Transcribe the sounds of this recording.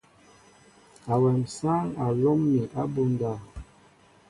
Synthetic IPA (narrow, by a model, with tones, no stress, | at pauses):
a˨wɛ˨msa˦ŋa˨lɔ˦mːi˨ʔa˦bu˦nda˦˨